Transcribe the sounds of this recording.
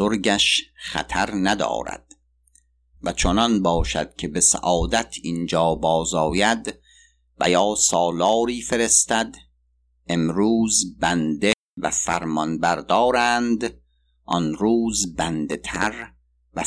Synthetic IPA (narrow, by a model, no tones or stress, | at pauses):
oɾɡæʃχæ̰t̪ʰæɾnæd̪ɒ̰ːɾæ̰d̪̥ | væt͡ʃʰonɒnbɒːʃæ̰d̪̥̚cʲʰe̞be̞sæ̰ʔɒːd̪æt̪ʰind͡ʒɒːbɒːzɒːjæd̪ | væ̰jɒːsɒːlɒːɾiːfe̞ɾe̞st̪æd̪ | e̞mɾuːzbænd̪e | væ̰fæɾmɒnbæɾd̪ɒːɾænd̪ | ʔɒnɾuːzbænd̪e̞t̪ʰæɾ | væ